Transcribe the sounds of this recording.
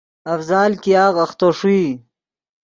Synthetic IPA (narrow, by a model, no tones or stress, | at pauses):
ɐfzɑːlkijɑːɣɐxt̪oʂui